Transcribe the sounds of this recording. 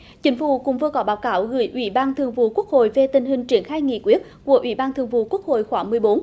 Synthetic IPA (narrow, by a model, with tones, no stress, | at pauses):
t͡ɕï˨˦ŋ̟fṵ˧˩kʊ̰˧˥ŋ͡mvɨ˧əkɔ˨˦ɓaː˨˦wkaː˧˩wɣɨ˧˩˦jʔwi˧˩ɓaː˧nt̪ʰɨ˨˧əŋvṵ˧˨ku˦˥ək̚ho̰˧˨jve˧t̪ï˨˩ŋ̟ɦï˨˩ŋ̟t͡ɕi˧˩ənxaː˧jŋḭ˧˨kwi˦˥ət̚ku˧˩əʔi˧˩ɓaː˧nt̪ʰɨ˨˩əŋvṵ˧˨ku˦˥ək̚ho̰˧˨jxwaː˧˩ŋmɨ˨˩əjɓo˨˦n